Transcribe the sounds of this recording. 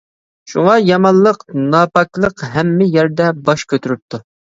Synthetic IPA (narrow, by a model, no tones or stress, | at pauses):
ʃuʁɑjɑmɑnˠlːˠəqnɑːpɑklˠəqɦɛmːɪjæɾd̪ɛbɑʃkʲʰøt̪ʰyɾyp̚t̪ʰu